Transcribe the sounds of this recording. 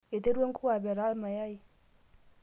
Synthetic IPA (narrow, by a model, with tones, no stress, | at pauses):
e˨te˦ɾwe˦ŋku˦a˨bɛ˨ɾa˦lma˨ja˦i˦